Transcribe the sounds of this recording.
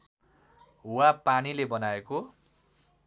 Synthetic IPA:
wapanilebʌnaeko

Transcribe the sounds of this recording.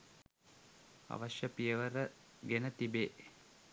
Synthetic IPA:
ɐ̰ʋɐʃjəpijəʋəɾəɡenət̪ibeːʔ

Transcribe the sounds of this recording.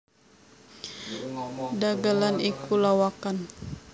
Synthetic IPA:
daɡalanikʰulawakan

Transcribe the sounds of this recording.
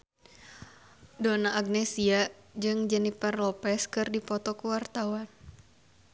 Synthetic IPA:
donaːɡ̚nɛsia | d͡ʒɨŋd͡ʒɛniparlɔpɛskɨrdipɔt̪ɔkuwart̪awan

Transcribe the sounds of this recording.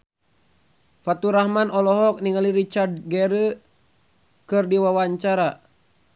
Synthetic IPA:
fat̪uɾahmanʔɔlɔɦɔk̚niŋaliɾit͡ʃard̪̚ɡɛɾə | kɨrdiwawaɲt͡ʃaɾa

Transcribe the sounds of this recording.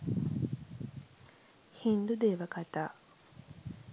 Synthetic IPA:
hind̪ud̪eːʋɐkɐt̪aː

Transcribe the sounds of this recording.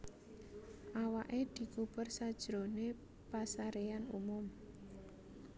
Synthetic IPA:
ʔawaʔed̪̥i̤kupərsad̥ʒ̥ɾone | pasaɾeanṵmʊm

